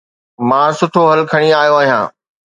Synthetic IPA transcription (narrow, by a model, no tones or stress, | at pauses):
mãːsʊʈʰoɦɐlkʰɐɽ̃iaːjoaːɦijã̰ː